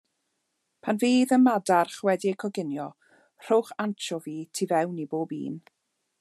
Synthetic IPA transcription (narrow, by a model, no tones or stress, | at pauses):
pʰanviːðənmadarχwɛdiəkʰɔɡɪnjɔ | r̥owχant͡ʃʰɔviːtʰivɛwniboːbḭːn